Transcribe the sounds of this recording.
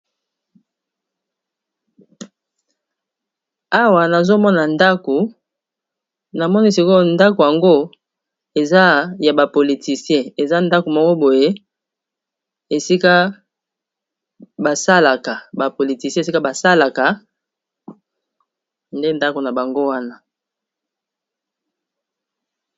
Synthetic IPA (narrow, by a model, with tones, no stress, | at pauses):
a˦wa˨na˨zo˦mɔ˦na˨nda˦ko˨ | na˨mɔ˦ni˦si˦ko˦nda˦ko˨ja˨ŋɡo˦ | e˨za˦ja˨ba˨po˨li˨ti˨sijɛ̃˦e˨za˦nda˦ko˨mɔ˦kɔ˦bo˨je˦ | e˨si˦ka˦ | ba˨sa˦la˨ka˨ba˨po˨li˨ti˨sijɛ˦˨s̬i˦ka˦ba˨sa˦la˨ka˨ | nde˦nda˦ko˨na˨ba˨ŋɡo˦wa˦na˦